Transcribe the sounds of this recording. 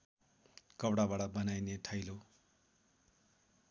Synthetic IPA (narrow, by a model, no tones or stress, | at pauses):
kʌbɽabaɽʌbʌnajneʈʰʌjlo